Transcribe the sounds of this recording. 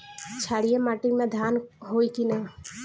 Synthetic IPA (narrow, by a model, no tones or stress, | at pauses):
t͡ʃʰaɽijemaʈimẽd̪ʱanɦojkina